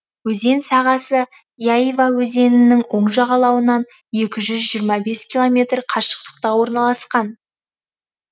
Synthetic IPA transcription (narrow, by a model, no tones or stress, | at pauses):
wɵze̞nsɑʁɑsə | jaivawɵze̞nɪnːɪŋwo̞ɴʒɑʁɑlˠɑwənɑn | je̞kʲɪʒʏzʒijəɾmɑbe̞skʲilˠo̞mʲe̞t̪rqʰɑʃə̥q̚t̪ə̥q̚t̪ɑwo̞ɾnɑlˠɑsqɑn